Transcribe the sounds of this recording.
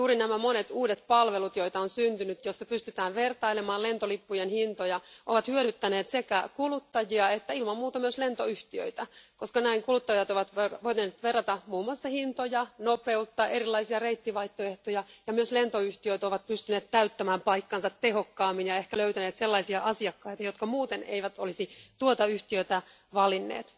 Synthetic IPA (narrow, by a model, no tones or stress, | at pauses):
juːɾinæmæmonet̪uːdet̪̚pɑlʋelut̪jo̞it̪ɑonsynt̪ynyt̪josːɑpyst̪yt̪æːʋʋert̪ɑilemɑːlent̪olipːujenhint̪ojɑʔo̰ʋɑt̪hyøɾyt̪ːæneːt̪sekækulut̪ːɑjiɑet̪ːæilmɑmmuːt̪ɑmyøslent̪oyht̪iø̰it̪ækoskɑnæiŋkulut̪ːɑjɑt̪oʋɑt̪ʋeʋoit̪net̪ʋerːɑt̪ɑmuːmoɑsːɑhint̪ojɑnopeut̪ːɑːʔe̞rilːɑisiɑreit̪ːiʋɑiht̪ːoeht̪ojɑjɑmyøslent̪oyht̪iøit̪oʋɑt̪̚pyst̪yneːt̪t̪æyt̪ːæmæːmpɑikːɑnsɑt̪teɦokːɑːmːinjɑehkæløyt̪æneːt̪selːɑisiɑʔɑsiɑkːɑit̪ɑjot̪kɑmuːt̪enḛiʋæt̪olisit̪uot̪ɑyht̪iøt̪æ | ʋɑlinːḛːt̪